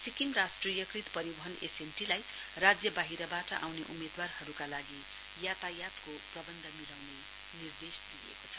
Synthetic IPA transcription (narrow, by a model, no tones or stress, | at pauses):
sikimrasʈrijʌkrit̪pʌɾibʌɦʌnesenʈilaj | rad͡zjʌbaɦiɾʌbaʈʌʔa̰wneʔumed̪warhʌɾukalaɡi | jat̪ajat̪koprʌbʌnd̪ʱʌmilawne | nird̪esd̪iḛkot͡sʰʌ̥